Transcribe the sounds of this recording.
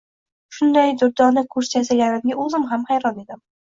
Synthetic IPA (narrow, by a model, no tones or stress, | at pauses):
ʃʊnd̪ajd̪ʊɾd̪ɒnɪkʰʊɾsasaɡʲanɪmɡʲaɵzɪmɦamhajɾɒne̞d̪ɪm